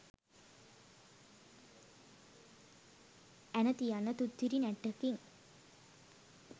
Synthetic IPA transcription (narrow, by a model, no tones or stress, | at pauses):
ænət̪ijanːət̪ut̪ːiɾinæʈːəkiŋ